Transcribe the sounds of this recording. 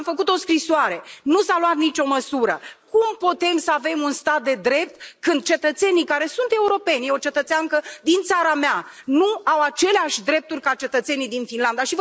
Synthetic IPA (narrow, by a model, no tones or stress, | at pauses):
mfəkut̪o̞skɾisoaɾe̞nusalwat̪nit͡ʃo̞məsuɾəkumput̪e̞msəave̞munst̪at̪̚d̪e̞d̪ɾe̞p̚t̪kɨnd̪̚t͡ʃe̞t̪ət̪se̞nikaɾe̞sunt̪e̞uɾo̞pe̞nʲjeo̞t͡ʃe̞t̪ət̪seaŋkəd̪int̪saɾamea | nuawat͡ʃe̞leaʃʲd̪ɾe̞p̚t̪urʲkat͡ʃe̞t̪ət̪se̞nid̪infinland̪aʃiv